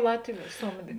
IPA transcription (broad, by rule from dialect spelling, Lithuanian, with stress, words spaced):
ˈlˠɑːtʲʋʲʊ ˈsoːmʲdʲeː